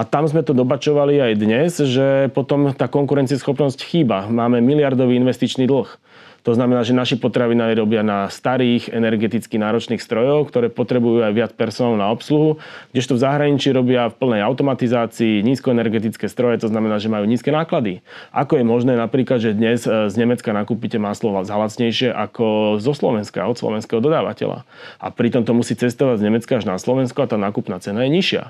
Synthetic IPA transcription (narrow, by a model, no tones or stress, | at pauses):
at̪amzmɛt̪ɔd̪ɔbat͡ʃɔʋaliajd̪ɲɛzʒɛpɔt̪ɔmt̪aːkɔŋkuɾɛnt͡siɛsxɔpnɔscxiːbamaːmɛmilɪaɾd̪ɔʋiːinʋɛst̪it͡ʃniːd̪l̩x | t̪ɔznamɛnaːʒɛnaʃipɔt̪ɾaʋinaːiɾɔbɪanast̪aɾiːɣɛnɛɾɡɛt̪it͡skinaːɾɔt͡ʃniːxst̪ɾɔjɔʊkt̪ɔɾɛːpɔt̪ɾɛbujuajʋɪat͡spɛɾsɔnaːlnaɔpsluɦuɡɟɛʃt̪ɔvzaɦɾaɲit͡ʃiːɾɔbɪafpl̩nɛjaʊt̪ɔmat̪izaːt͡siːɲiːskɔɛnɛɾɡɛt̪̬it͡skɛːst̪ɾɔjɛt̪ɔznamɛnaːʒɛmajuːɲiːskɛnaːklad̪iʔakɔjɛmɔʒnɛːnapɾiːklad̪ʒɛd̪ɲɛzzɲɛmɛt͡skanakupicɛmaːslɔʋazalat͡sɲɛjʃɪɛʔakɔzɔslɔʋɛnska̰ɔt̪slɔ̰ʋɛnskɛɦɔd̪ɔd̪aːʋa̰cɛ̰la̰ʔa̰pɾit̪ɔmt̪ɔmusiːt͡sɛst̪ɔʋaɟzɲɛmɛt͡skaaʒnaslɔʋɛnskɔat̪aːnaːkupnaːt͡sɛnajɛɲiʃɪa̰